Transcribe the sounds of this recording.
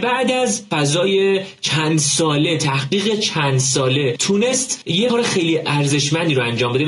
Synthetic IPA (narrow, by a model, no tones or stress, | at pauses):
bæʔd̪æzfæzɒːje̞t͡ʃʰænd̪sɒːle̞t̪ʰæhɢiːɣet͡ʃʰænd̪sɒːle̞t̪ʰune̞st̪jekʰɒːɾexe̞jliːʔæɾze̞ʃmænd̪iːɾoænd͡ʒɒːmbe̞d̪e